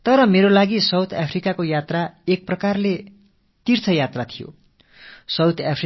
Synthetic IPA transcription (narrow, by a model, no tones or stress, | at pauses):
t̪ʌɾʌmeɾolaɡisʌwt̪ʰapʰrikakojat̪raek̚prʌkarle | t̪irt͡sʰʌjat̪rat̪ʰijo̰ | sʌwt̪ʰapʰ